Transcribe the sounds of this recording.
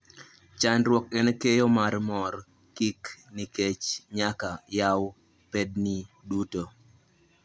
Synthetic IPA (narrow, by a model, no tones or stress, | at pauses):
t͡ʃanɾwɔkɛnkejɔmarmɔɾ | kikniket͡ʃɲakajaw | pedni | duto